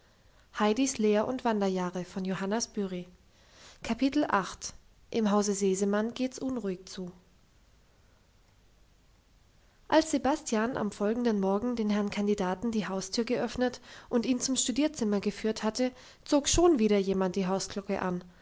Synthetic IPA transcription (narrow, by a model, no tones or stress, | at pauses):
haɪdisleːɐʔʊntv̥andɐjaːʁəfɔnjohanasb̥yʁi | kʰapʰitl̩ʔaχt | ʔɪmɦaʊzəzeːzəmanɡeːtsʔʊnʁuːɪçt͡suː | ʔalsz̥ebastʰjanʔa̰mfɔlɡŋ̩dənmɔɐɡŋ̩deːnhɛʁnkʰandidaːtn̩diːɦaʊstʰyːɐɡəʔœfnətʔʊntiːnt͡sʊmʃtudiːɐt͡sɪmɐɡəfyːɐthatʰə | t͡soːkʃoːnviːɾɐjeːmant̚d̥iːɦaʊskl̥ʊkə̰ʔan